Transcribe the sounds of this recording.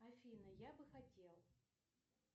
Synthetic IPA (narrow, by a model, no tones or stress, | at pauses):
ɐfʲinɐjabɨxɐtʲelˠ